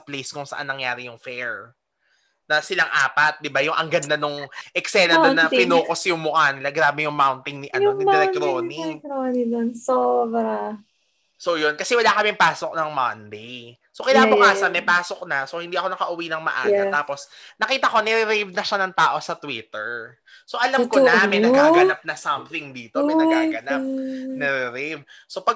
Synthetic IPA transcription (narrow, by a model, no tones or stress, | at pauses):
sɐplejskʊŋsɐ̰ʔa̰nːɐŋjaːɾɪjʊŋfɛɹ | nɐsɪlaŋʔa̰ːpɐt̪̚d̪ɪbajʊŋʔɐŋɡɐnd̪anʊŋʔɛksɛnɐt̪onɐpɪnoːkosjʊŋmʊkaːnɪlaɡɾaːbɛjʊŋmawnt̪ɪŋnɪʔɐnonɪɾɛt̪ɾonioninonsoːbɾɐ | sojonkɐsɛwɐlakɐmɛmpaːsok̚nɐŋmɐnd̪ej | sokɪnaːbʊkaːsɐnmɛjpaːsok̚nɐsohɪnd̪iːɐko̞nɐkɐʔʊwinɐŋmɐ̰ʔa̰ːjɐt̪aːpo̞snɐkiːt̪ɐko̞nɛɾɪɾevnɐʃanɐŋt̪aːʔo̞sɐt̪wit̪ɛɹ | soʔɐlɐmkonɐmɛnɐɡaːɡɐɐp̚nɐsɐmθɪŋd̪iːt̪omɛjnɐɡaːɡɐnap̚nɛɾɛɾɛv | so̞pɐɡ̚